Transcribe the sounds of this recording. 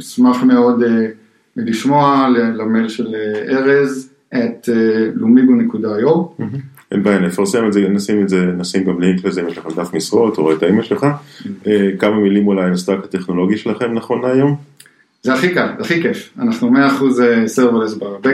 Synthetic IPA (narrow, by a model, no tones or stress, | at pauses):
smaχme̞o̞d̪e | liʃmo̞alelamelʃeleeʁez | et̪elumiɡunekud̪ajom̩ɦ̩ | enbajanlefaʁse̞mezenasimetzenasimɡamleiŋklezeimjeʃleχemd̪afmisʁo̞t̪oʁajt̪aimaʃelχaekamamilimulajnast̪akat̪eχno̞lo̞ɡiʃelaχe̞mnaχo̞naːjo̞m | zeaχikalaχikefa̰naχnumeaːχuzeseʁvalezbabe